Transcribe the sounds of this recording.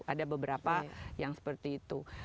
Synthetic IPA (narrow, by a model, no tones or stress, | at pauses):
ʔadabəbəɾapajaŋsə̥pərt̪iːt̪u